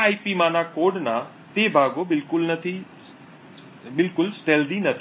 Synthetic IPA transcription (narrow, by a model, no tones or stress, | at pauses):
aːipimãːnakoːɖnã | t̪eːbʱaːɡobɪlkʊlnɐt̪ʰi | bɪlkʊlsʈeːld̪inɐt̪ʰː